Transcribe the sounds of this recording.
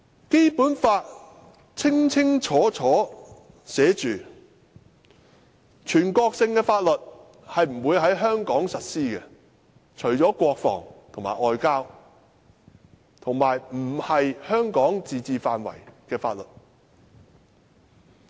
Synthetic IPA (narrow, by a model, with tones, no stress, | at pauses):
ke˥jpuː˨˥nfaː˧t̚ | t͡sʰɪ˥ŋt͡sʰɪ˥ŋt͡ʃʰɔː˨˥t͡ʃʰɔː˨˥ | sɛː˨˥t͡ʃyː˨ | t͡ʃʰyː˨˩nkɔː˧k̚sɪ˧ŋkɛː˧faː˧t̚lɵ˨t̚ | hɐ˨jm̩˨˩wuː˨˧jɦɐ˨˥jɦœː˥ŋkɔː˨˥ŋsɐ˨t̚siː˥kɛ˧ | t͡ʃʰɵ˨˩ɥt͡sɔː˨˥kʷɔː˧k̚fɔ̰ː˨˩ŋt̪ʰo˨˩ŋma̰ː˨˩ʔɔː˨˧jkaː˥w | t̪ʰʊ˨˩ŋmaː˨˩jm̩˨˩hɐ˨jhœː˥ŋkɔː˨˥ŋt͡siː˨t͡siː˧faː˧nwɐ̰˨˩jkɛː˧fa̰ː˧t̚lɵ˨t̚